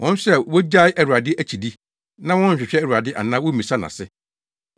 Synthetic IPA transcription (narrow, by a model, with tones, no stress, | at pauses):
wʔɔ̃˦n˦ɕɛ˦˨wo˦d͡ʑa˦ɪ˦ʔæ˨ɾu˨a˨dɪ˦ʔæ˦t͡ɕʰi˨di˦ | nã˦wɔ̃˦ɲ̩˨ɕᶣɪ˨ɕᶣɛ˦æ˨ɾu˨a˨dɪ˦ʔa̰˨nã˦wo˦mĩ˨sa˦nã̰˨sɪ˦